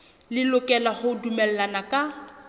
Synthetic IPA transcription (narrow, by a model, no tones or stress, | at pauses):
lɪlʊkʼɛlaχʊdumɛl̩lanakʼa